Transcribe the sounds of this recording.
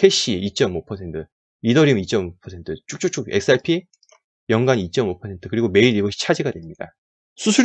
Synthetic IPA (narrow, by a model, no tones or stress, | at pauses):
tʰe̞ɕ͈iit͡ɕ͈ʌmopʰʌsʰe̞ntʰɯ | idʌɾimit͡ɕ͈ʌmopʰʌsʰe̞ntʰɯt͡ɕ͈uk̚t͡ɕ͈uk̚t͡ɕ͈ʰuke̞ks͈aɭpʰi | jʌŋɡanit͡ɕ͈ʌmopʰʌe̞ntʰɯ̥kɯɾiɡome̞iɾiɡʌɕʰi̥t͡ɕʰad͡ʑiɡadwemɲida | sʰusʰu